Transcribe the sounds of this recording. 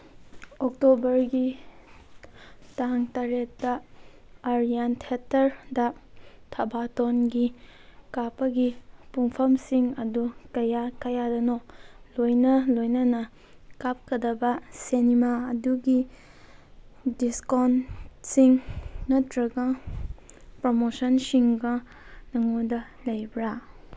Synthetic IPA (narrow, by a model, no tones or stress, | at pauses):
ok̚tobɐɾɡi | taŋtaɾetːɐː | ɾijantʰetɐɾdɐtʰɐbatonɡikapɐɡipuŋpʰɐmsiŋɐdukɐjakɐjadɐnolojnɐlojnɐnɐ | kap̚kʰɐdɐbɐsenimaɐduɡi | diskonsiŋːɐtɾɐɡɐ | pɾomosɐnsiŋɡɐ | nɐŋodɐ | lɐjbɾa